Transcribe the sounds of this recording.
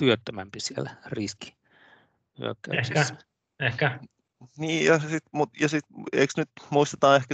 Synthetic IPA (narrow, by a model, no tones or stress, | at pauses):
t̪yøt̪ːømæmpisielæriski̥ | yø̰kːæ̰ehsikæ̥ | ehkæ | niːjɑsit̪mut̪jɑsit̪ḛiksnyt̪muist̪et̪ɑːehkæ